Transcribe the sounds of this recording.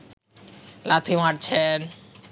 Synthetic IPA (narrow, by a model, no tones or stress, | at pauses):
lat̪ʰimaɾt͡ɕʰen